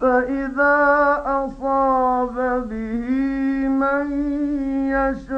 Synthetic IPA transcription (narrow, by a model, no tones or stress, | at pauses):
faʔɪðaːʔɑsˤɑːbabɪhiman | jaʃ